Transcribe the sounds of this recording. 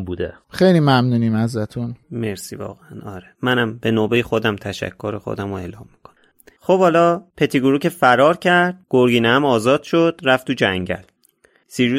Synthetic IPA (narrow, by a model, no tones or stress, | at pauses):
buːd̪e | xejlimæmnuːnimhæzɾæt̪ʰunme̞ɾsḭːvɒ̰ːɣeænɒːɾemænæmbe̞noːbe̞jexo̞d̪æmt̪ʰæʃæ̰kʰːoɾexo̰d̪æmoe̞ːlɒːmːi̥kʰonæ | xobhɒːlɒːpʰe̞t̪ʰiɡuɾucʰefæɾɒːɾcʰæɾɾd̪̥̚ɡ̥oɾɡiːnehæmɒːzɒːd̪̥ʃod̪̥ɾæft̪ʰuːd͡ʒæŋɟæ̰l | siʒu